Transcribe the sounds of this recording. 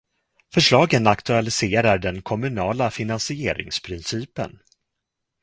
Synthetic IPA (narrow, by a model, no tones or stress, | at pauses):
fœʂɭɑːɡənakt̪ɵalɪseːɾaɖɛnkʰɔmɵnɑːlafɪnansɪeːɾɪ̰ŋspʰɾɪnsiːpə̰n